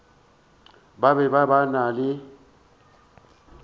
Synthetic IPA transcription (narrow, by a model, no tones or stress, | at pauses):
babɛbabanalɪ